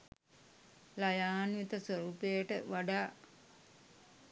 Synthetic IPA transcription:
lajaːnjit̪əsʋəɾuːpejəʈəʋaɖaː

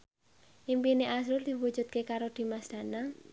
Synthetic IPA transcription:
ʔimpineʔas̬ɾʊrd̪̥i̤wud̥d͡ʒ̥ṳt̪̚kekaɾod̪̥i̤masd̪̥a̤na

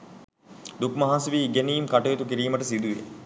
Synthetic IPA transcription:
d̪ukmɐɦãːsʋiːɡenijimkɐʈɐjot̪ukiɾiːməʈəsid̪uʋḛ

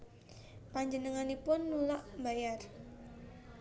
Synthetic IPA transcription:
paɲd͡ʒənəŋanipʊnːulaʔmbajar

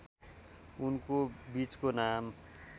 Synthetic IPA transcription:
unkobit͡skonam

